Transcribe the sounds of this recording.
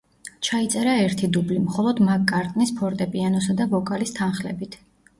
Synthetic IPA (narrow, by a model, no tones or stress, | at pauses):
t͡ʃʰait̪sʼɛɾaɛɾt̪ʰid̪ublimχɔlˠɔd̪makʼːaɾt̪ʼnispʰɔɾt̪ʼɛpʼianɔsad̪abɔkʼalist̪ʰanχlɛbit̪ʰ